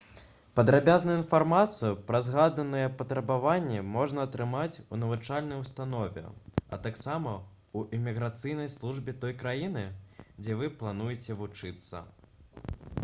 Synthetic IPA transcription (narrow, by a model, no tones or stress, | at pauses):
pɐd̪ɾabʲaznɐinfarmat̪sɨjupɾɐzɣad̪nɐnɨjɛpɐt̪ɾɐbavanʲːɛmɔʐnɐːt̪ɾɨmat͡sʲunɐvut͡ʂalʲnɐjwust̪anɔvʲɛ̰ɐ̰t̪aksamɐ | uʔimʲiɣɾat̪sɨjn̪ɐjslˠuʐbʲɛt̪ɔjkɾajin̪ɨd͡zʲɛvɨplˠanujɛt͡sʲɛvut͡ʂɨt̪sːɐ̰